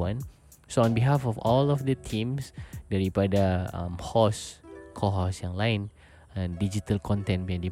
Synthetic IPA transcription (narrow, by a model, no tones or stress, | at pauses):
ãn | soɔ̃nbiɦafɔfɔlɔfdət̪ʰĩmsdaɾipadaã̰mhɔskʰɔɦɔsjãŋlaɪn | ãdid͡ʒit̪əlkʰɔ̃nt̪ɛ̃nbiãndi